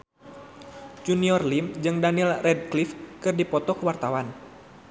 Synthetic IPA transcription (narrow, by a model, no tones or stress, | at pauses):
d͡ʒuniɔrlimd͡ʒɨŋdanilrɛd̚klifkɨrdipɔt̪ɔkəwart̪awan